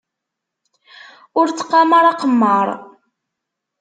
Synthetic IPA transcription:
ʊɾt͡sːqːɑmaɾˤɑqəmːəɾˤ

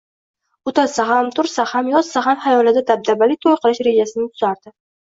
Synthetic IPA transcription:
ʊt̪ʰasaɦamt̪ʰʊɾsahamjɒz̥sahamhajɒlɪd̪ad̪ab̚d̪abalɪt̪ʰojqʰɨlˠɪʃɾe̞d͡ʒasɪnɪt̪ʰʊz̥aɾd̪̥ɪ

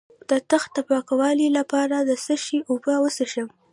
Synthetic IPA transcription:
d̪̥ət̪əxt̪apɑkawɑlilapɑɾad̪əsəʃiʔubəwəsəʃəw

